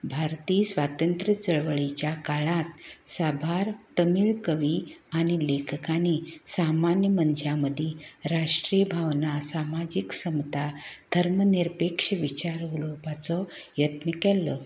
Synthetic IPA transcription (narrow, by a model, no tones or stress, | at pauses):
bʱaɾt̪iːsʋat̪ənt̪ɾət͡səɭʋəɭit͡ɕjakaɭat̪̚sabʱaɾt̪əmiɭkəʋiañilekʰəkanisamanjəmənd͡ʑjaməd̪ʱiɾaʂʈɾibʱaʋnasamad͡ʑiksəmt̪ad̪ʱəɾməniɾpekʂəʋit͡ɕaɾulopat͡sɔ | jət̪nəkɛlːɔ